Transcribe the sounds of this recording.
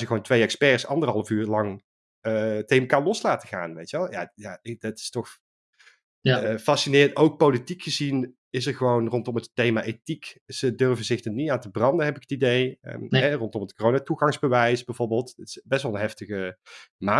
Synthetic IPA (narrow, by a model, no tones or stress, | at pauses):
zəɣəʋoːwntʋejɛkspɛːɹsɑ̰ndərɦɑlˠəfyːɹlɑŋ | teəmkanlɔslaːtəχa̰ːnʋejtʋɛlˠja̰jadɑtɪ̥stɔx | fɑsinɪːrəntowk̚powlitikχəzin | ɪs̬əɹχəʋownrɔntɔmətːejmaʔetikz̥ədørvənzɪxdənitaːntəbrɑndənɦɛpɪkə̥tidejə̰ɦɛrɔntɔmətkorownatuχɑŋzbəʋɛjsbɛjvoɹbəːlˠttɪ̥sbɛstʋɑlˠənɦɛftəɣəmaː